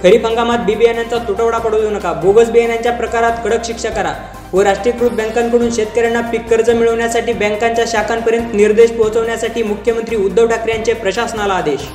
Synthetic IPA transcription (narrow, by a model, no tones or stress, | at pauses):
kʰəɾiːpəŋɡamat̪̚bibianjant͡sat̪uʈəʋɽapəɽəunəkaboɡət͡sbianjaɲt͡ɕjapɾəkaɾat̪kəɽəkɕikʂakəɾa̰ | ʋəɾaʂʈɾikɾud̪̚bə̃ŋkãŋkəɽ̃uːnɕet̪kəɾjanːapikːəɾd͡zəmiɭəʋɳjasaʈiːbɛ̃ŋkaɲt͡ɕjaɕakʰampəɾjənt̪niɾd̪eɕpɔɦt͡səʋɳjasaʈiːmukʰjəmənt̪ɾiːud̪ːəʋʈʰakɾjaɲt͡ɕepɾəɕasənalaːd̪eɕ